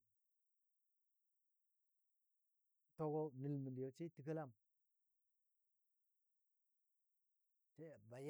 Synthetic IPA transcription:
to˨ɡo˦nə˨lmə˨ndi˨jo˨t͡ʃi˦ti˨kə˦la˦˨m | t͡ʃe˦˨ba˨j

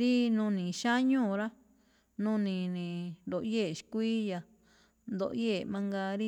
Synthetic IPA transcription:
ɾi˦nũː˧nĩ˨ʃa˦ɲũː˦˨ɾa˦ | nũ˦nĩ˨nĩ˨nd̪o˨ʔje˦˨ʃi̥˨˧kʷiː˦ja˨ | nd̪o̰˧ʔje˦˨mã˧ŋɡa˧ɾi˦

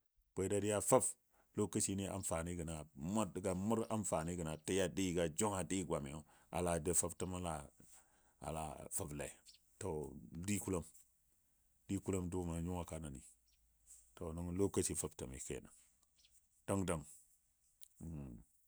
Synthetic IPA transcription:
bʷe˨˦da˦di˦ja˦fa˦b | lo˦ka˦t͡ʃi˦ni˦a̰˨nfa˨ni˦ɡə˨na˨ma˦dɡa˨mu˦ɾa˦mfa˨ni˦ɡə˨na˨ti˦ja˦di˦˨ɡa˨d͡ʒo˦ŋa˨di˦ɡʷa˨mi˨jo˦ | a̰˨la˨de˦fa˦btə˦ma˦la˨ | a̰˨la̰˨fa˦blḛ˨ | to˨di˦ku˦lo˦m | di˦ku˦lo˦mdu˦ma˨ɲu˦ŋa˨ka˦na˨nḭ˨ | to˨ni˦ŋlo˦ka˦t͡ʃi˨fa˦btə˨mḭ˨kḛ˨na˨ŋ | ta˦ŋda˨ŋ˨

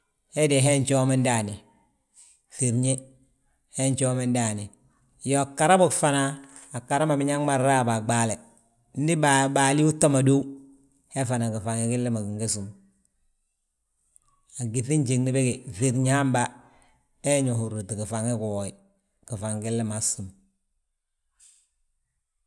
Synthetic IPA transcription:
he˦di˨ɦe˦nt͡ʃo˦mi˦nda˨ni˨ | fi˨ɾɲi˦ | he˦nt͡ʃo˦mi˦nda˨ni˨ | jo˨a˨kːa˨ɾa˦bo˦kfa˨naː˨kːa˨ɾa˦ma˨bi˦ɲa˦ŋma˦˨ɾːa˦˨ba˨ɡ͡ba˦le˨ | n̩˦di˦ba˨ba˨li˦u˦ta˦ma˨do˦ | he˦fa˨na˨ki˨fa˨ŋi˦ki˦lːe˦ma˨ki˨ŋɡe˦su˨m | a˨ɡi˨θi˦nt͡ʃi˨ŋni˨be˦ɡe˨θi˨ɾɲi˦ha˦mba˦ | e˦ɲo˨hu˨ɾu˨ti˨ki˨fa˨ŋi˦ku˨wo˨i˨ | ki˨fa˨ŋɡi˦lːe˦ma˨su˨m

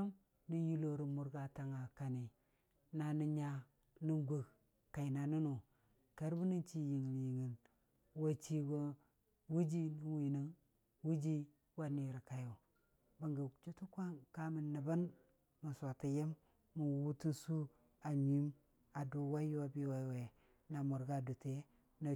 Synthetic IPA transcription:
a˦m | ni˦ji˦lo˨ɾi˨mu˨ɾɡa˨ta˨ŋa˨ka˨ni˨ | na˨ni˦ɲa˦ | ni˦ɡʷo˨k | ka˨i˨na˨nu˦no˨ | ka˦ɾbu˦ni˦t͡ʃi˦ji˨ŋi˨nji˨ŋi˨n | wa˦t͡ʃi˦wa˨ | wu˦d͡ʒi˦ni˦wi˨ni˦ŋ | wu˦d͡ʒi˦ | wa˦ni˨ɾi˨ka˨jo˨ | ba˨ŋɡa˨t͡ʃu˦tu˦kʷa˦ŋka˦mi˨nːa˨ba˦n | ma˨sa˨ta˨je˦mː | u˨wu˦ti˦nsu˦ | a˨ɲi˦m | a˨do˨wa˦jo˦a˨bi˦wa˨we˨ | na˨mu˨ɾɡa˦˨do˨te˦ | na˨

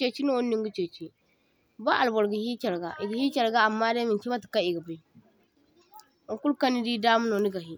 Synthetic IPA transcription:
t͡ʃe˨t͡ʃi˦no˦˨wo˦nːi˦ŋɡi˦t͡ʃe˨t͡ʃi˦ | ba˦ʔa˨lbɔ˨ɾɡi˨hi˦t͡ʃa˨ɾɡa˨ʔi˨ɡi˨hi˦t͡ʃa˨ɾɡa˦a˨mːa˦da˦mi˨nt͡ʃi˦ba˦ti̥˨ka˦i˨ɡa˨ba˦˨i˦˨ | ku˦lka˦ni˦di˦da˦mu˦no˨ni˦ɡa˨ɦi˦

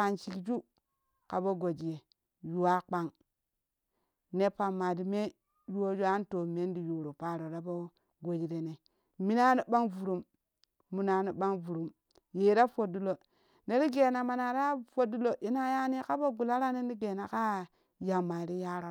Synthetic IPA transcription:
a˨nt͡ʃi˨ld͡ʒu˦ | ka˨bo˦ɡo˨d͡ʒi˨je˨ | ju˨wa˦k͡pa˦ŋ | ne˦pa˨mːa˨di˨me˦ | ju˦o˦d͡ʒu˦a˦n˦to˨me˦n˦di˨ju˨ɾo˨pa˦ɾo˨ɾa˦bo˦ | ɡo˨d͡ʒi˨ɾe˨ne˨ | mi˦na˦ni˨˦ɓa˦ŋvu˨ɾu˨mː | u˨na˨ni˨ɓa˦ŋvu˨ɾu˨m | je˨ɾa˦fo˨du˦lo˨ | ne˦ɾi˦ɡe˨na˨ma˨na˨ɾa˦fo˦du˦lo˨ʔi˦na˦ja˦ni˦ka˦bo˦ɡu˨la˦ɾa˦ne˦ni˦ɡe˨na˨ka˦ | ja˨mːa˨ɾi˦ja˦ɾo˨

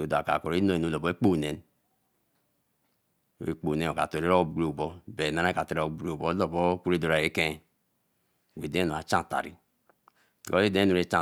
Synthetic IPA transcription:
o˨da˨ka̰˨ko˨ɾe˦no˦e˨nu˨˦˨lo˨bo˦e˦k͡po˦˨ne˨n˨˦ | ḛ˦˨k͡po˨ne˦o˨ka̰˨to˨ɾe˦ɾo˦bɡu˦o˦˨bo˦be˨na˦na˦ka˨to˨ɾo˨˦bu˦ɾe˦˨bo˦lo˨bo˦ku˦ɾe˦do˨ɾa˨e˦ke˦˨ | we˨de˦no˨a˨t͡ʃã˦˨ta̰˨ɾi˦˨ | to˦e˦de˦e˦nu˨ɾe˦t͡ʃa˦˨

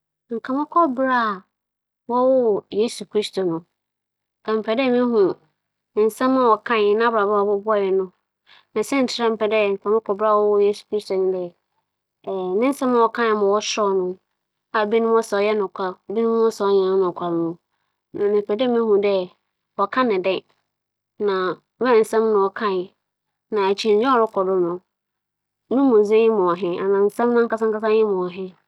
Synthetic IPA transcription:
ŋ̩˨kʰa˨mã˦kʰɔ˦bɾa˦˨ | wɔ˦wɔ˦jeː˦su˨kʰɾi˦stʰo˨nʊ̃˨ | ɛ˨m̩˨pʰɛ˨dɛ˦˨mɪ̃˦hũ˨ | ɪ̃˨n̩˨sɛ̃˦mã˦˨wɔ˨kʰã˦ɪ˨nã˦ba˨ba˨bɔ˦bʊ˦a˦˨jɛ˨nʊ̃˦ | nã˨sɛ̃˦n̩˨tʰɪ˦ɾɛ̃˦m̩˨pɛ˨dɛ˦˨ŋ̩˨kʰa˨mã˦kʰɔ˨bɪ˦a˦˨wɔ˦wɔ˦je˦su̥˨kɾi˦sto˨nʊ̃˦dɛ˦˨ | nɪ̃˦n̩˦sɛ̃˦mã˨wɔ˨kʰã˦˨mã˨wɔ˦sɔ˦nʊ̃˦ | a˨bi˦nʊ̃˦mwɔ˦sɔ˨˦jɛ˦nʊ̃˨kʷʰa˦˨bi˦nʊ̃˦m̃˦ɔ̃˦sa˨ɔ˦ɲã˨˦nʊ̃˨kʷʰa˨ɾnʊ̃˨ | nã˨nɪ̃˨pɛ˨dɛ˦mɪ̃˦hũ˨dɛ˦ | wɔ˨kʰã˦nɪ̃˨dɛ̃˦ | nã˨˦ | mɛ̃˦˨n̩˨sɛ̃˦mnʊ̃˨wɔ˨kʰã˦˨ɪ˨ | nã˨æ˨t͡ɕʰi˦˨˦d͡ʑᶣɛ̃˦ɔ˨ɾʊ˦kʰɔ˨dʊ˦nʊ̃˨ | nʊ̃˦mʊ̃˨zẽ˦ɲɪ̃˦mʊ̃˨ɔ˨ɦɪ̃˦a˨nã˨n̩˨sã˦mnʊ̃˦ŋ˦ka˦sã˦ŋ˦ka˦s̬ã˦jɪ̃˦mʊ̃˨wɔ˨ɦɪ̃˦

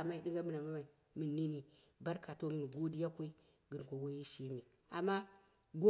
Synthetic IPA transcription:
a˨ma˨i˨ɗɨ˦ŋɡa˦mɨ˨na˨ma˦ma˨i˨ | mɨ˨nːi˦ni˨ | ba˦ɾka˨to˦mɨ˨n˨ɡo˦di˦ja˦kʷo˦i˦ | ɡɨ˨nko˨ɡo˦ji˦ʃi˦mi˨ | a˨mːa˦ | ɡo˦

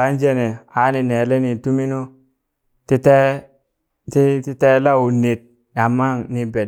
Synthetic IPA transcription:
a˨˦nd͡ʒe˦ne˨a˨˦ni˨ne˨le˦ni˨tu˦mi˦no˦ | ti˦te˦ | ti˦ti˦te˦la˦wu˨ne˨t̚ | a˨mːa˦ni˨be˨

